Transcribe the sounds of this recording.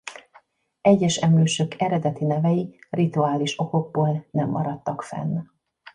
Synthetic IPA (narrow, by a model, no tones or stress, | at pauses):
ɛɟːɛʃɛmøːʃøkʰɛɾɛd̪ɛt̪inɛvɛjirit̪uaːliʃo̞ko̞ɡ̚boːlnɛmːɒɾɒt̪ːɒkfɛ̰n